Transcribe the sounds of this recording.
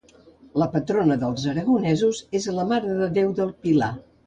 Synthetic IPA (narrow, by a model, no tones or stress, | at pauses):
ləpət̪ɾonəðəlˠzəɾəɣunɛzuzezləmaɾəðəðewðəlˠpila